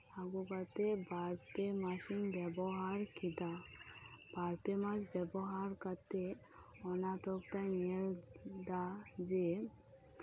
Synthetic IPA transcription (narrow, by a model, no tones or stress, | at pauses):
aɡukat̪ebaɾpemaʃinbɛbɔɦaɾkid̪a | baɾpemasbɛbɔɦaɾkat̪e | ɔnat̪ɔkt̪anield̪ad͡ʒe